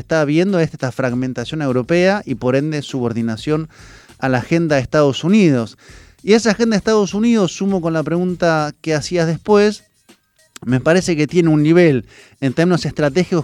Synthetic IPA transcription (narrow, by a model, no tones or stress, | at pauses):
est̪aβje̞nd̪oest̪e̥t̪afɾaɣment̪asjo̞ne̞wɾo̞pe̞aʔipo̞ɾe̞nd̪esuβo̞ɾðinasjo̞n | alaːxe̞nd̪aest̪aðo̞suniðo̞s | iesaxend̪aeht̪að̞o̞suniðo̞sːumo̞ko̞nlapɾe̞ɣunt̪akeasiaðe̞spwe̞s | me̞paɾe̞se̞ket̪je̞neunːiβ̞el | ent̪eɾmino̞se̞ht̪ɾat̪̬e̞xiko